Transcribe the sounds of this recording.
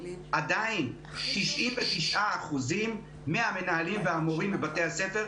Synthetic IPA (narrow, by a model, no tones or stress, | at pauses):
ʔad̪ain | t̪iʃʔimvet̪iʃʔaːχuzimː | eame̞naɦalimveamoʁimlebat̪e̞jhase̞fe̞ʁ